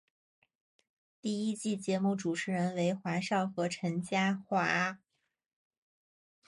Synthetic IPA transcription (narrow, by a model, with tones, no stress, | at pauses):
t̪i˥˩i˥t͡ɕi˥˩t͡ɕjɛ˧˥mu˥˩ʈ͡ʂu˨˩ʈ͡ʂʰɻ̩˧˥ɻə˧˥nwe˧˥ɪxwa˧˥ʂɑ˥˩ʊxɤ˧˥ʈ͡ʂʰə˧˥ŋt͡ɕja˥xwa˧˥